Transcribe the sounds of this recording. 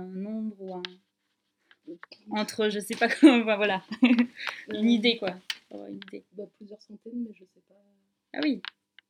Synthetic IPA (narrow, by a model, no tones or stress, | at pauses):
ɛ̃nɔ̃bʁuɛ̃ | ɑ̃t̪χəʒəsɛpãfɛ̃vwala | ynid̪ekwaa̰va̰ynid̪ebaplyzjœʁsɑ̃t̪ɛnmɛʒəsɛpa | a̰wi